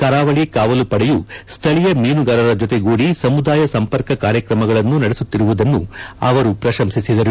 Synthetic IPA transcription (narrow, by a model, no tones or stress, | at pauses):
kɐɾaːʋɐɭikaːʋɐlupɐɽɛjust̪ʰɐɭijɐmiːnuɡɐɾɐɾɐd͡ʒɔt̪eɡoːɽisɐmud̪aːjɐsɐmpɐɾkɐkaːɾjɐkɾɐmɐɡɐɭɐnːunɐɽesut̪ːiɾuʋud̪ɐnːuɐʋɐɾupɾɐʃɐmsisid̪ɐɾu